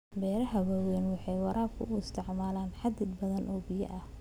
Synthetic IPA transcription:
bɛːɾɐɦɐwɔːwɛnwɑħɑjwɑɾʔaːkʰʊ̰ʔʊɪst̪ʰɪʕmaːlaːnħɑd̪ɪd̪bɐðɐnʔɔːbɪjɐ̰ʔɐh

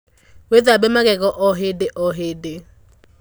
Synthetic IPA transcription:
wɛd̪abɛmak̬ʼɛk̬ʼɔʔɔɦedɪʔɔɦeːde

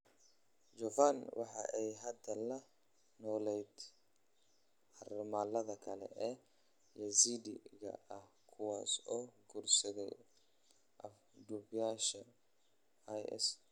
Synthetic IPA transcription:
d͡ʒɔfanwɑ̰ħɑ̰ʔɛjɦɐd̪ɐlɐ | nɔːlɛjd̪ | ʔɐrmaːlɐðɐkʰɐlɛ̰ʔɛ | jɐsidḭɣɐ̰ɐh | kʰʊwaːsɔːɡuːrsɐɣɛj | ʔɐf | ɖuːbjaːʃɐ | jɛ̰s

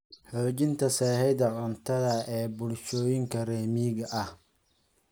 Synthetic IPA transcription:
ħɔːt͡ʃɪnt̪ʰɐsɛːhɛd̪ɐʕʊnt̪ʰɐðɐɛːbʊlʃɔːjɪŋkʰɐrɛːmiːɣɐʔɐh

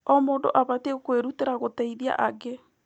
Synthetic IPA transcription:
ɔmoːndo̰ʔaβatekweɾuteɾaɣotɛiðia̰ʔaɡe

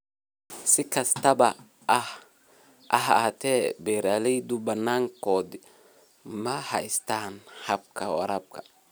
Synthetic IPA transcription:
sɪkɐst̪ɐba | ah | ʔa̰ɦat̪ɛbɛːɾalɛd̪ubɐnːaːŋkɔːd̪ɪ | mɐhɐjst̪aːnhɐb̚kʰawɐ̰ɾab̚kʰa

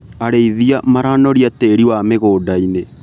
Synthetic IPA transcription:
aɾeiðiamaɾanɔɾiateɾiwameɣoːdaine

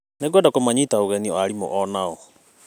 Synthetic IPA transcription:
neɡɛdakomaɲitaoɣɛniɔaɾimo̰ʔɔnaɔ

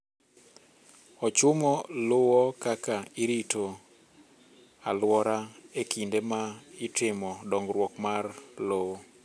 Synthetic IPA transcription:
ɔt͡ʃʊmɔlowɔkakaɪɾito | alwɔɾaekindemaɪtɪmɔdɔŋɡrwɔkmarlowo

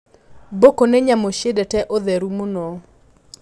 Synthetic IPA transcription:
bokonɛɲamoʃedɛtɛʔɔðɛɾumonɔ

